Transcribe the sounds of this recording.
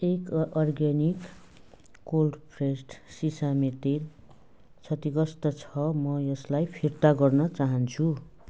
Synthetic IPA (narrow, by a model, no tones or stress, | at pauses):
ekʌrɡenikː | olɖpʰresʈsisamet̪el | t͡sʰʌt̪iɡʌst̪ʌt͡sʰʌmʌjʌslajpʰirt̪aɡʌrnʌt͡saɦʌnt͡sʰu